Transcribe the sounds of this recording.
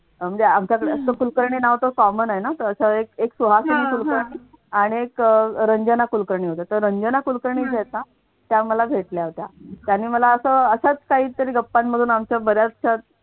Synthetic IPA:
m̤əɳd͡zeamt͡ɕjakəɽeəst̪əkulkəɾɳiːnaʋt̪əkɔmənaɦjenat̪əɾəsaek̚eksuɦasəniːkulkəɾɳiː | aɽ̃iekɾəɲd͡ʑənakulkəɾɳiːɦot̪et̪əɾɾəɲd͡ʑənakulkəɾɳiːd͡zɛt͡sa | t̪jaməlaɡʱeʈljaɦot̪jat̪janːiːməlaəsəːəɕat͡skaɦiːt̪əɾiːɡəpːanməd̪ʱuːnamt͡ɕjabəɾjat͡st͡ɕa

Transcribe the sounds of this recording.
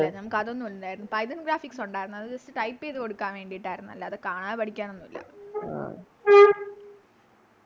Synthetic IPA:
enɐmukːɐðeonːuʋɐlːund̪aːjiɾunːupɐjðɐnɡɾaːfiksoɳɖaːjiɾunːɐðɨd͡ʑɐstːɨʈɐjpːeːðɨko̞ɽukːaːnʋe̞ːɳɖiiʈːaːjiɾunːuɐlːɐɐðɨkaːɳaːpɐʈikʲːaːno̞nːumilːɐ̰a̰

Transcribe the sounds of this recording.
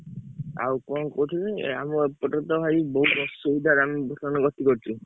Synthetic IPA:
a̰wkɔnkɔt̪ʰileamuepɔʈɔt̪ɔbʱajibɔɦubɔsɔbid̪ʱaɾambʱɔsʰanɔɡɔt̪ikɔɾt͡ʃʰi

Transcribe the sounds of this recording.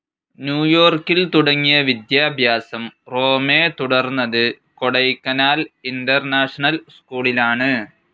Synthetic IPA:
njuːjo̞ːrkːilt̪uɽɐŋːijɐʋid̪jaːbʱjaːsɐmro̞ːme̞ːt̪uɽɐrnːɐðɨ | koɽɐjkːɐnaːlinɖɐrnaːʂɐɳɐlskuːɭilaːɳɨ

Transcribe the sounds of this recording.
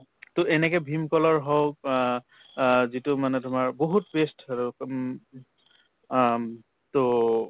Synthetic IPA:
tʊɛnɛkɛbʱimkɔlɔɹɦɔw | zitʊmanɛtʊmaɹboɦutbestʰaɹʊ | to

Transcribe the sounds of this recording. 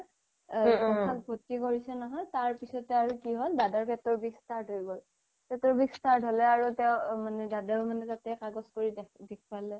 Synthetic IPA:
ɔkʰak̚bʱotːikoɹisɛnɔɦɔjtaɹpisɔtɛaɹukiɦɔlbadaɹpɛtɔɹbʱikstaɹt̚ɦoibɔl | pɛtɔɹbʱikstaɹtɦolɛaɹutɛʊmanɛdadalmanɛtatɛkaɡɔskoɹidɛkʰpalɛ

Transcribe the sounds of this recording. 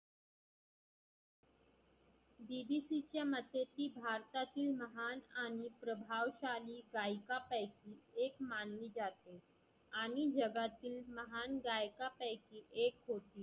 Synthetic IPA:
bibisit͡ɕjamət̪et̪iːbʱaɾt̪at̪iːlməɦanaɽ̃ipɾəbʱaʋɕaliːɡajkapəjkiːekmanliːd͡ʑat̪e | aɽ̃id͡ʑəɡat̪iːlməɦanɡajkapəjkiːʔekɦot̪iː

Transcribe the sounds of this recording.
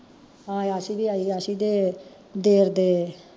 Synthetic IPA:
ɦãːasiːʋiːaːiːasiːd̪eː | d̪eːɾd̪eː

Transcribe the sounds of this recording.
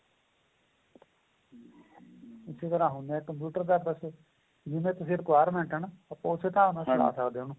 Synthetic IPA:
ɪseːt̪əɾãːɦõnd̪ɛ̃ːkəmpjuːʈəɾd̪ad̪əs | d͡ʒɪmẽːt̪ʊsĩːɾɪkʋaːjəɾmɛ̃ːɳʈənːpːãːʊseːt̪ãːnãːt͡ʃʰɽa̰ːsəkd̪eːɦoːnuː

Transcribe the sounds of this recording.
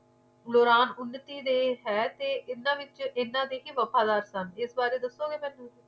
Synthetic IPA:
loːɾaːnʊnːət̪iːd̪eːɦɛːt̪eːʔɪnːãːʋɪt͡ʃɪnːãːd̪eːkiːʋəpaːd̪aːɾsənɪsbaːɾeːd̪əsːoːɡeːmɛ̃ːnːũː

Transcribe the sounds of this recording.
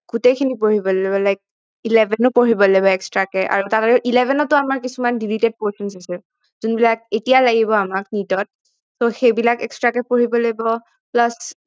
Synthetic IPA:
ɡ̥utejkʰinipoɹibɔlebɔlajk̚ | ilevʱɛnʊpoɹibɔlejbɔɛkstɹakɛʔa̰ɹutataɹɛʔilɛbʱɛnɔtʊamaɹkisumandilited̚poɹsɔnsasɛ | zunbilak̚etijalaɡibɔamaknitɔt̚ | soxejbilakɛkstɹakɛpoɹibɔlejbɔ | plas

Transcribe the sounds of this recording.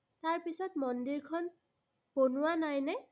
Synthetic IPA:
taɹpisɔtmɔndiɹkʰɔn | ponʊwanajnɛ

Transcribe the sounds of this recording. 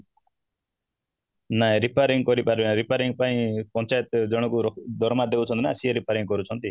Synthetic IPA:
naẽɾipaɾiŋkɔɾipaɾeɾipaɾiŋɡpaĩpɔnt͡ʃajɔt̪d͡ʒɔɽ̃ɔkuɾɔd̪ʱɔɾmad̪eut͡ʃʰɔnt̪inasieɾipaɾiŋɡkɔɾut͡ʃʰɔnt̪i

